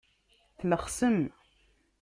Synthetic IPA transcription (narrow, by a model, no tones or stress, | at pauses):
θləχsəm